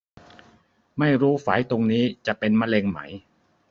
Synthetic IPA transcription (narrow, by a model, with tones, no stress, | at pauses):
ma˥˩jɾuː˦˥faː˩˦jt̪o˧ŋniː˦˥t͡ɕa˨˩ʔpe˧nma˦˧leː˧ŋma̰˦˥j